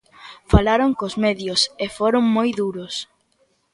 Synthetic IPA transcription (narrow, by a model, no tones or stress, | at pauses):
falaɾoŋkozmeðjosefoɾoŋmojðuɾʊs